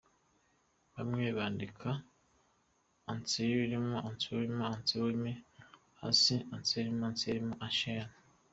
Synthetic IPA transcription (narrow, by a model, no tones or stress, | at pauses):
βamŋeːβaːndikʰa | nt͡siβiɾimoant͡siwiɾimoant͡siwemi | ha̰siant͡siɾimoant͡siimoʔaʃena